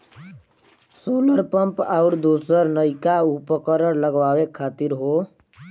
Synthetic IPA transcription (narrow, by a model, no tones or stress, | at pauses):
soːləɾpəmpaʊɾd̪uːsəɾnəɪkaupəkəɾəɾləɡʋaːʋekʰːaːt̪iɾɦo